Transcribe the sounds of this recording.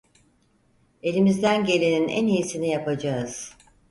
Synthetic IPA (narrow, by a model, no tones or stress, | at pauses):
e̞lʲimizd̪ænɟe̞lʲeninʔæ̰nijisinijapʰad͡ʒaɯz̥